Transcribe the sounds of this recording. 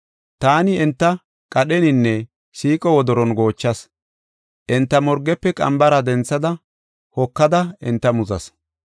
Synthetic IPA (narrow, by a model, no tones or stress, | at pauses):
t̪aːnɪɛnt̪ːɐ | kʼɐɗɛnɪnːɛ | siːkʼɔwɔd̪ɔɾɔnɡo̞ːt͡ʃːɐs | ʔɛnt̪ːɐmɔɾɡɛpːɛkʼɐ̰mbɐɾɐd̪ɛnt͡sːɐd̪ɐ | hɔkːɐd̪ɐɪnt̪ːɐmʊzɐ̰s